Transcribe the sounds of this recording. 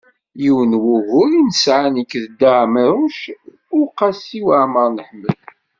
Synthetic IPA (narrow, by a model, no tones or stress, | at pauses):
jiwənwʊɣʊɾinəsʕanikːðəd̪aʕməɾʊʃ | ʊqɑsiwəʕməɾˤnəħmːəl